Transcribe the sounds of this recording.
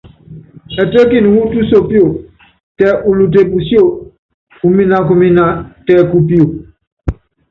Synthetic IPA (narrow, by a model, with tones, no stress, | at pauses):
ɛ˨tə˦ki˦˨n˨hu˦tu˦so˨pi˦o˨ | tɛ˨˦ʔu˨lu˨te˨bu˨si˦o˦˨ | u˨mĩ˦nã˨ku˨mĩ˦nã˨tɛ˨ku˨pi˦o˨